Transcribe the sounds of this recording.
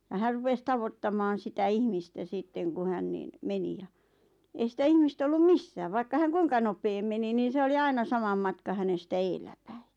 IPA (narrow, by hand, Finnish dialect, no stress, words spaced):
jɑ hær rupes tɑʋotːɑmɑːn̞ sitæ ihmistæ sitːeŋ ku hæn niːn meni jɑ ei sitæ ihmist olːum misːæː ʋɑikːɑ hæŋ kuiŋkɑ nopeːm meni niːn̞ se oli ɑinɑ sɑmɑm mɑtkɑ hænestæ eːlːæpæi